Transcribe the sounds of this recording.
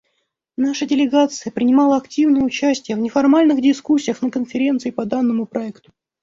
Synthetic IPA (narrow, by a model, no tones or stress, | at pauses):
naʂədʲɪlʲɪɡat̪sɨjəpɾʲɪnʲɪmɑlˠəɐktʲivnəjəʊt͡ɕæsʲtʲɪjəvnʲɪfɐrmalʲnɨxdʲɪskusʲːijəxnəkənfʲɪɾʲe̞nt̪sɨɪpɐd̪anːəmʊpɾʔɐɛkt̪ʊ̥